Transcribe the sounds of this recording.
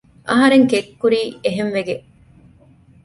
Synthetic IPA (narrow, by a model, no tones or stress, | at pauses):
ʔɐɦɐɾeŋkekːuɾiːeɦemʋeɡe